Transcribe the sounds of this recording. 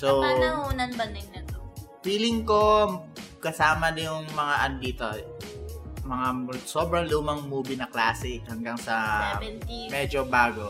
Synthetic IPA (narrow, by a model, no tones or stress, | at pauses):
sonɐhuːnɐnbɐnɪŋnɐt̪opiːlɪŋko | kɐsaːmɐnɐjʊŋmɐŋaʔɐnd̪iːt̪o | mɐŋasoːbɾɐŋluːmɐŋmuːbɪnɐklaːsɛhɐŋɡaŋsɐɛnmɛːd͡ʒobaːɡo